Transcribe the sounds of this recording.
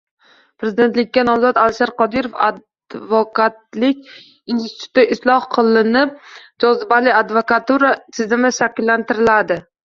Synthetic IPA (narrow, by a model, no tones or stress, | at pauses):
pɾezɪd̪e̞nt̪lɪkʲːanɒzɒt̪alʃaɾqɒd̪iɾofa̰ | vɒkat̪lɪkʲ | inst̪ɪ̥t̪ʰu̥t̪ɪʔɪslˠɒhqʰɨlˠɪnɪp̚d͡ʒɒzɪbalɪad̪vokat̪uɾat̪ʰɪzɪmɪʃakʲɪlːant̪ɪɾɪlad̪ɪ